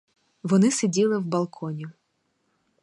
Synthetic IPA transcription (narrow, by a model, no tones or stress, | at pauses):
ʋɔnɪsʲedʲilˠɪwbɐlˠkʰɔnʲi